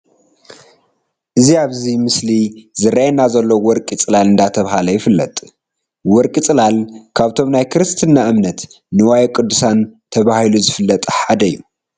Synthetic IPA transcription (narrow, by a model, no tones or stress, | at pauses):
ʔɨziaβzimɨslizɨrːajɛnːazɐlːowɔɾkʼit͡sʼɨlalɨnd̪at̪ʰɐβhalɐjɪfɨlːɐt̪ʼ | wɔɾkʼit͡sʼɨlalkʰaβt̪ʰo̞mnajkʰɨɾɨst̪ʰɨnːaʔɨmnɐt̪ | nɨwajokʼɨd̪ːɨsant̪ʰɐβahiluzɨfɨlːɐt̪ʼħad̪ɐjːu